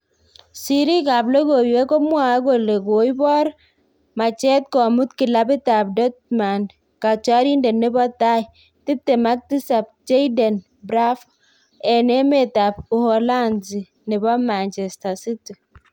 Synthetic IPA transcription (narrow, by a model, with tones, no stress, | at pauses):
si˨ɾi˦ka˨ble˦ɡo˨we˦kɔ˦mwa˨˦ɡo˨le˨ɡo˨i˦bɔ˦ɾ | ma˨t͡ʃɛ˦t̚kɔ˨mu˦tki˨la˦bi˦ta˨p̚dɔ˦t̚ma˨n | ka˨t͡ʃa˦ɾi˦nde˨nːe˦bɔ˦ta˦i˨ | ti˦tːe˨ma˦k̚ti˦sa˨p̚d͡ʒe˦jde˨n | bɾa˦f | ɛ˨ne˦me˦˨ta˨pu˨hɔ˨la˦nzi˨ | ne˨bɔ˦ma˨nt͡ʃɛ˨sta˨si˦ti˨